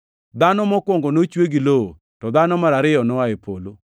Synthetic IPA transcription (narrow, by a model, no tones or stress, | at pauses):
d̪anɔmɔkwoŋɡonot͡ʃweɡilo | tɔd̪anɔmaɾaɾɪɔnɔaepʰolo